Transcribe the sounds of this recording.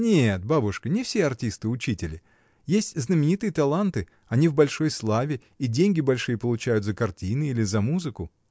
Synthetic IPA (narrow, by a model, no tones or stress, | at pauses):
nʲet̪̚babʊʂkənʲɪfsʲeɐrtʲist̪ɨʊt͡ɕitʲɪlʲɪ | jesʲtʲznəmʲɪnʲit̪ɨjət̪ɐlˠant̪ɨ | ɐnʲivbɐlʲʂo̞jslˠavʲɪ | idʲenʲɡʲɪbɐlʲʂɨjəpəlˠʊt͡ɕæjʊt̪zəkɐrtʲinɨilʲɪzɐmuzɨkʊ